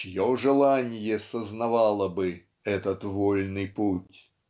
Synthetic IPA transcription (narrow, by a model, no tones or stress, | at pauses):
t͡ɕɪjoʐɨlˠanʲɪjəsəznɐvalˠəbɨ | ɛt̪ət̪volʲnɨjputʲ